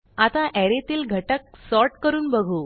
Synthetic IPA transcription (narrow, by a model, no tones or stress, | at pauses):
at̪ãʔɛɾet̪iːlɡʱəʈək̚sɔɾʈkəɾuːnbəɡʱu